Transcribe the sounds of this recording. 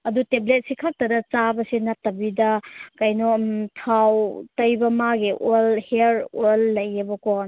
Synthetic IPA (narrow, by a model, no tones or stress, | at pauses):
ɐduteblet̚sikʰak̚tɐdɐt͡ʃabɐsinatːɐbidɐkajnɔtʰawtɐjbɐmaɡiʔolheɾolːɐjːɐbɐkɔn